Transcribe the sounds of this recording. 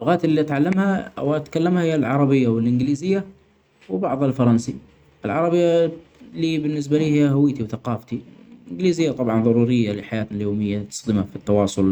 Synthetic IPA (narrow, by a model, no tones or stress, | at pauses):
lʊɣaːt̪ɪlːiʔat̪ʕalːamha̰waʔat̪kalːamhahɪjːalʕɑɾˤɑbɪjːawɪlʔɪnɡɪliːzɪjːa | wɪbɑʕðˤhalfɑɾˤɑnsi | ʔɪlʕɑɾˤɑbɪjːaliːbɪnːɪs̬baliːhhawiːt̪iwθaqɑːft̪iʔɪɡɪliːzɪjːat̪ˤɑbʕɑnðˤɑɾˤuːɾɪjːalɪħajaːt̪naljoːmɪjːat̪sˤd̪ɪmafit̪ːɑwɑːsˤʊl